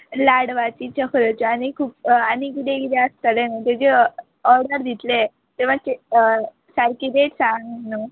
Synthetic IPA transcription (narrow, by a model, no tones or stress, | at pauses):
laɽʋat͡ɕit͡ɕəkʰəɾət͡ɕañikʰuːp̚anikid̪ekit̪eəst̪əlenat̪ed͡ʑe | ɔɾɖəɾd̪ʱit̪le | t̪eʋãt͡ɕe | saɾkid̪eʈsaŋɡnu